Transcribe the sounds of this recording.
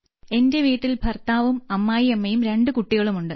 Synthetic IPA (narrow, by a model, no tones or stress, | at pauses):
e̞nde̞ʋiːʈːilbʱɐrt̪aːʋumɐmːaːjiɐmːɐjumɾe̞ɳɖɨkuʈːiɣɐɭumuɳɖɨ